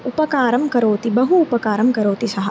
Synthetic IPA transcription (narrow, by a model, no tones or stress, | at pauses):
upɐkaːɾɐmkɐɾoːt̪ibɐɦuːpɐkaːɾɐmkɐɾoːt̪isɐɦɐ